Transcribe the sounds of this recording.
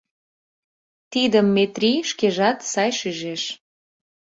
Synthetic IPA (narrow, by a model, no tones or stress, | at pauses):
t̪id̪əmːet̪ɾiʃkeʒɑt̪sɑjʃyʒeʃ